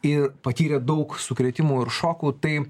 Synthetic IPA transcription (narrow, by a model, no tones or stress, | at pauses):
ɪrpɐt̪ʲiːɾʲɛːd̪ɐʊksʊkɾʲɛːt̪ʲɪmuːɪɾʃoːkuːt̪ɐɪ